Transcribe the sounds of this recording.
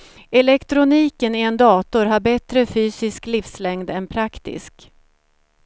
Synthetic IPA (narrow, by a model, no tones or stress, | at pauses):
ɛlɛkt̪ɾʊniːkənɪɛnd̪ɑːt̪ʊɾɦaɾbɛt̪ɾəfyːsɪsklifslɛŋd̪ɛnpʰɾakt̪ɪ̰sk